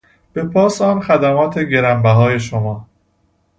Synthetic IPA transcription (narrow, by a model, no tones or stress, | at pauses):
b̥e̞pʰɒːsɒːnxæd̪æmɒːt̪ʰe̞ɟe̞ɾæmbæɦɒːje̞ʃomɒː